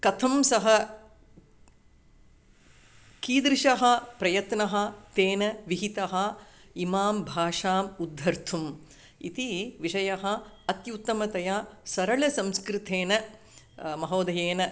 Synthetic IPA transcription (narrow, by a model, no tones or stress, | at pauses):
kɐt̪ʰɐmsɐɦɐ | kiːd̪ɾiʃɐɦɐ̆pɾɐjɐt̪nɐɦɐ̆t̪eːnɐʋiɦit̪ɐɦɐ̆imaːmbʱaːʂaːmud̪ʱːɐɾt̪ʰum | ḭt̪iʋiʂɐjɐɦɐ̆ | ɐt̪jut̪ːɐmɐt̪ɐjaːsɐɾɐɭɐsɐmskɾɪt̪eːnɐ | mɐɦoːd̪ɐjeːnɐ